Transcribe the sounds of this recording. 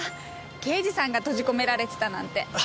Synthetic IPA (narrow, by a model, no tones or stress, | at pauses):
ke̞ːʑisãŋɡat̪o̞ʑiko̞me̞ɾaɾe̞t̪e̞̥t̪anãnt̪e̞